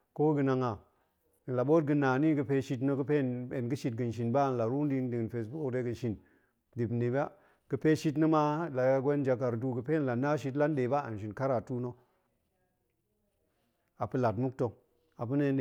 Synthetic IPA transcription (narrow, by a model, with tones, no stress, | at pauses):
ko˦ɡə˦na˨ŋa˨ | la˨ɓo˦t̚ɡɨ˨na˨ni˦ɡɨ˨pe˦ʃi˦t̬no˦ɡɨ˦pe˦˨ne˨nɡɨ˦ʃi˨t̚ɡɨ˨n˨ʃ̬i˨nba˦˨n˨la˨ɾu˦n˦di˦n˦di˨nfe˨s̬bu˦o˨de˦ɡɨ˨nʃi˨n | di˨bni˨ba˦ | ɡ̥ɨ˨pe˦ʃi˦t̬nə˦ma˦la˨a˦ɡʷe˦n˦d͡ʒa˨k̬a˨ɾdu˦ɡə˨pe˦n˨la˨na˦ʃ̬i˦t̬la˦nɗe˨ba˦a̰˨nʃ̬i˨nka˦ɾa˨tu˦no˦ | a˨pɨ˦la˨tmu˦k̚to˨ | a˨pɨ˦ne˦nɗe˨